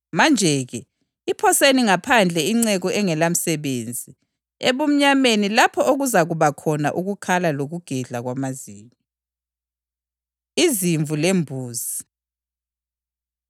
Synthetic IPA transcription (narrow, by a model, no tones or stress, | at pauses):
mand͡ʒʱɛɣɛ | ipʰɔseniŋapʰand͡ɮʱɛiŋ͡ǀɛɣɔʔɛŋɛlam̩sɛβeːnd͡zʱi | eβum̩ɲamenilapʰɔʔoɣuzaɣuβakʰɔna̰ʔuɣukʰalaloɣuɡ̥ʱɛɮaɣwamaziːɲɔ | iziɱvʱulembʱuːzi